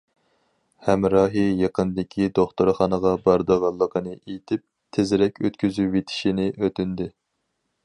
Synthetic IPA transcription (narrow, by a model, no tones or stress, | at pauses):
hɛmɾɑːɦɨjeqənd̪ɪkʲʰid̪oχt̪uɾχɑnəʁɑbɑɾd̪əʁɑlˠːəqʰənɨʔejt̪ʰɪp̚ | t̪ʰezɪɾɛkʲʰøt̪kʲyzywet̪ʰɪ̥ʃinɪʔøt̪ynd̪ɪ